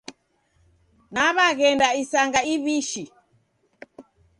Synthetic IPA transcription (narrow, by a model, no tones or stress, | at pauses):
naβaɣɛndaisaŋɡaiβiʃi